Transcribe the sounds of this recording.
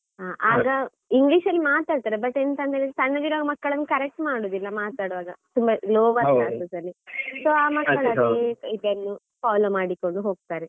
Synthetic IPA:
aːʔaːɡɐ | iŋɡliːʃɐlːimaːt̪aːɽt̪aːɾebɐʈːent̪ɐnd̪eɭisɐnːɐʋ̪iɾaːɡɐmɐkːɐɭɐnːukɐɾek̚ʈmaːɽoːd̪ilːɐmaːt̪aːɽʋaːɡɐt̪umbɐloːʋɐsaːnsɐsɐlːisoːaːmɐkːɐɭɐeibenːu | faːloːmaːɽiko̞ɳɖuɦoːɡ̚t̪aːɾe

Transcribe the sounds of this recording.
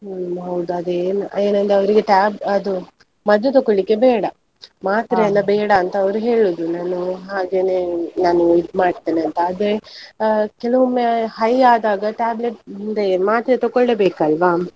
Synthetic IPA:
ɦɐwd̪uɐd̪eːnueːnɐnd̪eɐʋɐɾiɡe̞ʈaːbɐd̪u | mɐd̪ːet̪̬ɔkoɭːikːe̞bɛːɽɐ | maːt̪ɾeɐlːɐbɛːɽɐːnt̪ɐɐʋɐɾuɦe̞ːɭoːd̪unaːnuɦaːɡeːneːnaːnuid̪maːɽt̪eːniɐnt̪ɐːd̪e | kɛlɐʋomːehɐjaːd̪aːɡɐʈaːbleʈnd̪emaːt̪ɾɐt̪ɔɡoɭːebeːkɐlʋaː

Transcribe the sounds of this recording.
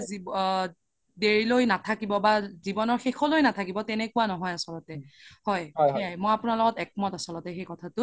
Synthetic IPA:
zi | deɹilojnatʰakibɔbazibɔnɔɹxexʰɔlojnatʰakibɔtɛnɛkuwanɔɦɔjasɔlɔtɛhɔjiajmojapʊnalɔɡɔtɛk̚mɔtasɔlɔtɛxejkɔtʰatʊ

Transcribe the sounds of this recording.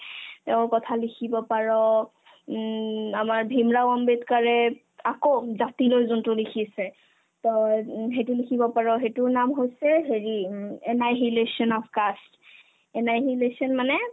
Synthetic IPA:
tɛʊ̃ɹkɔtʰalikʰibɔpaɹɔ | amaɹbʱimɹawɔmbetkaɹɛ | akozatilojzontʊlikʰisɛ | tɔɦejtulikʰibɔpaɹɔɦetʊnamɦojsɛɦeɹiɛnajɦilesiɔnɔpʰkast | ɛnajɦilesiɔnmanɛ

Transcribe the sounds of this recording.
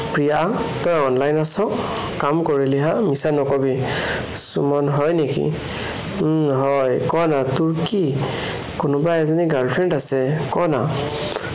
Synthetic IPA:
pɹijatɔjɔnlajnasɔ | kamkɔɹiliɦaʔmisanɔkɔbi | sumɔnɦɔjnekḭ | ɦɔjkɔnatʊɹki | kʊnɔbaɛzɔniɡalpʰɹɛntasɛkɔna

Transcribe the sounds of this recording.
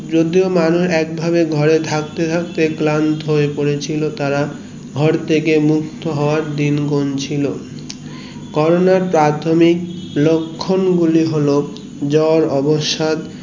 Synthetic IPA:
d͡ʑod̪iomanuɾɛk̚bʱabeɡʱɔɾet̪ʰak̚t̪et̪ʰak̚t̪eklant̪ɦoepoɾet͡ɕʰilot̪aɾa | ɡʱɔɾt̪ʰekemuk̚t̪oɦɔoaɾd̪inɡont͡ɕʰilo | kɔɾonaɾpɾat̪ʰomik̚lokʰːonɡuliɦolo | d͡ʑɔɾɔboʃad̪

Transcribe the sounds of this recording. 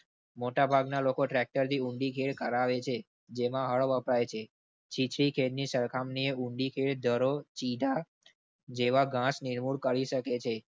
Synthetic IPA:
moʈabʱaɡnalokoʈɾɛk̚ʈəɾt̪ʰiũɳɖikʰeɭkəɾaʋet͡ʃʰe | d͡ʒemãɦəɭʋəpɾajt͡ʃʰe | t͡ʃʰit͡ʃʰɭikʰeɽnisəɾkʰamnieuɳɖikʰeɭd̪ʱəɾot͡ʃid̪ʱa | d͡ʒeʋaɡãsniɾmuɽkəɾiʃəket͡ʃʰe

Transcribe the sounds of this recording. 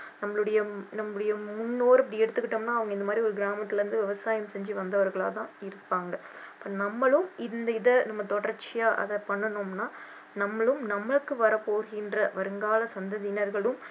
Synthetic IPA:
nɐmːɐɭɯɽɐjɐnɐmːɯɽɐjɐmʊnːoːɾɐp̬ːɐɽiɛɽɯt̪ːɯkːɪʈːomnaːɐʋɐŋɡɐɪnd̪ɐmaːd̪ɾiɔɾɯɡɪɾaːmɐt̪ːɪlɐɾɯnd̪ɯʋɪʋɐsaːjɐmsɛɲd͡ʒiʋɐnd̪ɐʋɐɾɣɐɭaːt̪ãːɪɾɯpːaːŋɡɐ | ɐpːoːnɐmːɐɭɯmɪnd̪ɐɪðɐnɐmːɐt̪ɔɽɐɾt͡ʃːɪjaːʔɐ̰ðɐpɐɳːɐnomnaː | nɐmːɐɭɯmnɐmːɐɭɯkːɯʋɐɾɐpːoːɾɣɪndrɐʋɐɾɯŋɡaːlɐsɐnd̪ɐðɪnɐɾɣɐɭɯm

